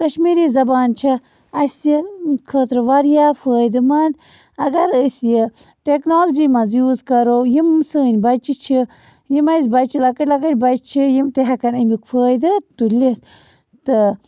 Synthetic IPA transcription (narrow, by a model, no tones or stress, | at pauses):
kɐʃmiɾizɐbaːnt͡ʃʰɐ | ɐsjikʰəːt̪ɾɨʋaɾjaːfəːjd̪ɨman | ɐɡɐɾəsjəʈeknoːld͡ʒiːmɐzjuːzkɐɾowjimsəːnʲbɐt͡ʃit͡ʃʰi | jimɐsbɐt͡ʃʰilɐkəʈʲlɐkəʈʲbɐt͡ʃt͡ʃʰijimt̪eɦɐkɐnɐmikfʰəːjd̪ɨt̪ulis | t̪ɨ